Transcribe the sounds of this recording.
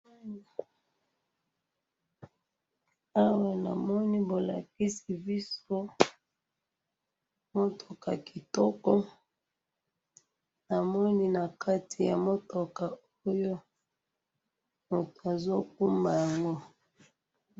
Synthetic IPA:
a˦wa˨na̰˨mɔ˦ni˦bo˨la̰˨ki˦si˨bi˦so˦ | mo˦tʰo˨ka˨ki˨tɔ˦kɔ˦ | na˨mɔ˦ni˦na˨kʰa˦tʰi˨ja̰˨mo˦to˨ka˨ | o˦jo˦ | mu˨to˨a˨zo˦k̚u˦ma˨ja˨ŋɡo˦

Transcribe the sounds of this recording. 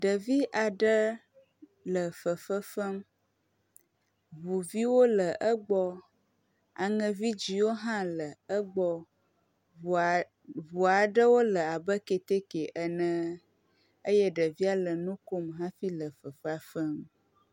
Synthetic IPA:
ɖə˨vi˦ʔa˨ɖə˦ | lə˨fə˨fə˦fə˦m | vu˨vi˦wo˦lə˨ʔə˦ɡ͡bɔ˦ | a˨ŋə̃˨vi˦d͡ʒi˨wo˦ɦã˦lə˨ə˦ɡ͡bɔ˦˨ | vu˨a˨ɖə˦wo˦lə˨a˨bə˦ke˨t̪e˦ke˨ʔə˦nə̃˦ | ə˦jɛ˦ɖə˨vi˦a˨lə˨nũ˦ko˦mɦã˦fi˦lə˨fə˨fə˦a˦fə˦m

